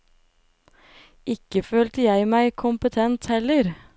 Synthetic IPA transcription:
ɪkəføːlt̪əjæɪmæɪkʰʊmpət̪ʰɛnt̪hɛləɾ

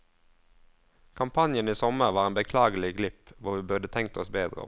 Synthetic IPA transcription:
kʰɑmpʰɑnjəniːsɔməʁʋɑːʁeːnbəkʰlɑːɡəl̩ɪɡlɪpʋʊʁʋiːbʉʁd̪ət̪ʰɛŋk̚t̪ɔsbeːd̪ʁə̰ɔ̰

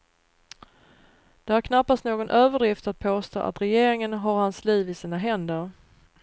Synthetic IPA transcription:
d̪̥ɛæɾkʰnapːast̪noːɡɔnʔøːvəɖɾɪft̪at̪̚pʰoːst̪o̰ːʔa̰t̪ɾɛjeːɾɪŋənɦaɾhansliːvɪsiːnaɦɛnd̪əɾ

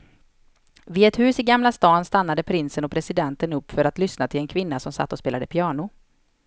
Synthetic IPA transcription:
vɪɛt̪hʉ̟ːsɪɡamlast̪ɑːnst̪anːad̪əpʰɾɪnsənɔpʰɾɛsɪd̪ɛnt̪ənɵpːfœɾat̪lʏsnat̪ʰɪlɛnkʰvɪnːasɔmsa̰t̪ːɔspeːlad̪əpʰɪɑːɳʊ

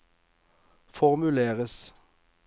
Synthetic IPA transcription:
fɔʁmʉleːʁəs

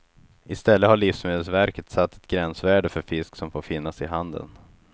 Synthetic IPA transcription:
ɪst̪ɛlːəhaɭiːfsmɪːd̪əlsvæɾkət̪sat̪ːɛ̥t̪̚ɡɾɛnsvæːɖəfœɾfɪsksɔmfoːɾfɪnːasɪɦand̪ə̰n

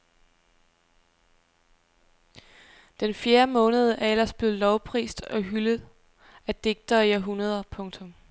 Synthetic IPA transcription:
d̥enfjeːɐmɔ̽ːnəð̞ˠəʔæɐel̰ɐsb̥le̝ːð̩ˠlɒʊpʰʁḭːsd̥ɒ̽ɦyləð̩ˠ | æd̥e̝ɡ̥̚d̥ɐːiæɦunɐð̞ˠɐpʰɔ̽ŋt͡sʰɔ̽m

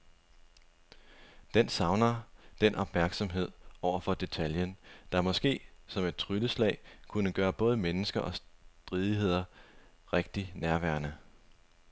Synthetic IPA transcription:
d̥ensɑ̈ʊnɐd̥en̰ʔɒ̽b̥mæɐɡ̥sɒ̽mɦe̝ð̞̰ˠɒʊ̰ɐfɒ̽d̥e̝t͡sʰæljənd̥ɑ̈mɒ̽sɡ̥e̝̰ːsɒ̽me̝d̥̚t͡sʰʁyləslɛ̰ɪkʰunəɡ̥ɶːɐb̥ɔ̽ːð̞ˠəmenəsɡ̥ɐʔɒ̽sd̥ʁiːð̞ˠiɦe̝ð̞̰ˠɐ | ʁeɡ̥̚d̥inæɐʋæɐnə

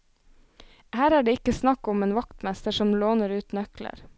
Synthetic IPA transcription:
hæːɾæːɖeːɪkəsnɑkʊmeːnʋɑkt̪mɛst̪əʃɔmloːnəɾʉːt̪nœklə̰ɾ

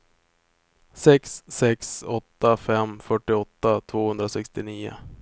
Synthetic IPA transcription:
sɛksːɛksɔt̪ːafɛmfœʈːɪɔt̪ːat̪ʰvoːhɵnd̪ɾasɛkst̪ɪniːʊ̰

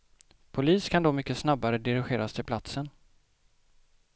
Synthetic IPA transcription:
pʰʊliːskʰand̪ɔmʏkːəsnabːaɾəd̪ɪɾɪɧeːɾast̪ʰɪlpʰlat̪sən

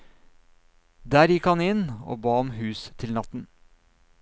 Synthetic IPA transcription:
d̪æːɾjɪkhɑnɪno̰ːbɑːɔmhʉːst̪ʰɪlnɑt̪n̩

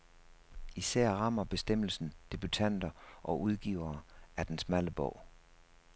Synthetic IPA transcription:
isæɐ̰ʁɑ̈m̰ɐb̥e̝sd̥em̰l̩sn̩d̥e̝b̥yt͡sʰæn̰d̥ɐʔɒ̽ʔuð̞ˠɡ̥iʊ̰ɐːæɐd̥ensmæləb̥ɔʊ̰

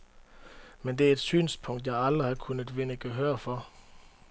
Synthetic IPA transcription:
mend̥e̝æɐe̝d̥sy̰ːnspʰɔ̽ŋ̰d̥jɑ̈ɪɑld̥ʁihɑ̈kʰunəð̥ˠʋe̝nəɡ̥əɦøːɐfɒ

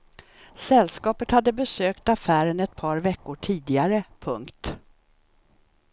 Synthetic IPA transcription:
sɛlːskɑːpət̪had̪ːəbɛsøːkt̪afæːɾənɛt̪̚pʰɑːɾvɛkːʊʈʰiːd̪ɪaɾəpʰɵŋkt̪

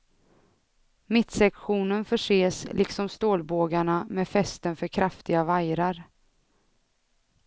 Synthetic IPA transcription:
mɪt̪sɛkɧuːnənfœʂeːslʔɪksɔmst̪oːlboːɡaɳamɛfɛst̪ənfœɾkʰɾaft̪ɪɡavajɾaɾ

